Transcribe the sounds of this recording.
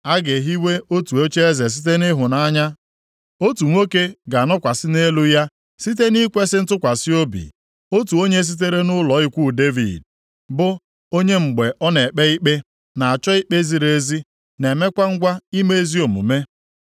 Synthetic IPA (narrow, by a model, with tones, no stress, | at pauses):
a˦ɡe˨ɦi˦we˦o˦tu˨o˦t͡ʃe˦e˦ze˨s̬i˦t̬e˦nɪ˦ɦʊ˨na˦ɲa˦ | o˦tu˨ŋʷo˦ke˦ɡa˨nɔ˦kʷa˨sɪ˦ne˦lu˦ja˦ | si˦t̬e˦ni˦kʷe˦sɪ˦n̩˦tʊ˦kʷa˨si˦o˦bḭ˨ | o˦tu˨o˦ɲe˦s̬i˦t̬e˦ɾe˦nʊ˦lɔ˨˦ɪ˦kʷu˦˨de˦vḭ˨d̚ | bʊ˦ | o˦ɲe˦ŋ͡m̩˨ɡ͡be˨ʔɔ˦ne˨k͡pe˦i˦k͡pe˦ | na˨a˨t͡ʃɔ˦i˦k͡pe˦zi˨ɾe˨˦zi˦ | ne˨me˦kʷa˦ŋ̩˦ɡʷa˦i˦me˦e˦zi˦o˨mṵ˨me˦